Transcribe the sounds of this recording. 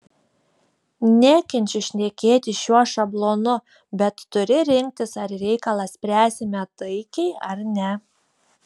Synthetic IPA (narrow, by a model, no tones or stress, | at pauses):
nʲæːkʲɛnʲt͡ʃʲʊʃʲnʲeːkʲeːt̪ʲɪʃʲuɔʃɐblˠoːnʊ | bʲɛt̪ːʊɾʲɪɾʲɪŋʲk̚t̪ʲɪsɐɾɾʲɛɪkɐlˠɑsʲpʲɾʲæːsʲɪmʲɛt̪ɐɪkʲɛɪɐɾnʲɛ